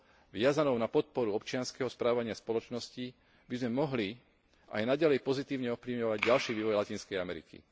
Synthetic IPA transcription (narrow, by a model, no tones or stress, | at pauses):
ʋɪazanɔʊnapɔt̪̚pɔɾuɔpt͡ʃɪanskɛɦɔspɾaːʋaɲɪaspɔlɔt͡ʃnɔsci | bizmɛmɔɦli | a̰jnaɟalɛjpɔzit̪iːʊɲɛɔfpliʋɲɔʋaɟɟalʃiːʋiːʋɔjlacinskɛjamɛɾḭkḭ